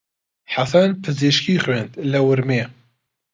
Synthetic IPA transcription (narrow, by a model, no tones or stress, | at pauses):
ħasɐnpʰɨziʃkiːxweːnd̪lɐwɨɾmeː